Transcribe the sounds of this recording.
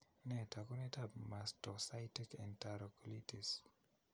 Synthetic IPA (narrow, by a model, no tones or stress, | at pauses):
nɛtakonetapmastɔsajtikɛ̃ntaɾɔklitis